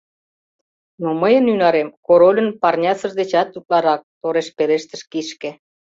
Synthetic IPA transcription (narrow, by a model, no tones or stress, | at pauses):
noməjənynɑɾemkoɾolʲə̆npɑrnʲɑsə̆ʒd̪et͡ɕɑt̪ːuk̪̚lɑɾɑk̚t̪oɾeʃpeɾeʃt̪ə̆ʃkiʃkĕ